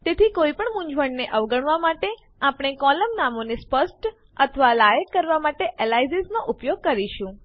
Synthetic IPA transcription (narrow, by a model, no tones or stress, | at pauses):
t̪et̪ʰikoipəɳmũɲd͡ʒʋəɳneʔəʋɡəɳʋamaʈe | apɳ̃ekɔləmnamonespəsʈ | ət̪ʰəʋalajəkːəɾʋamaʈeʔelajziznoʔupjoɡ̚kəɾiʃũ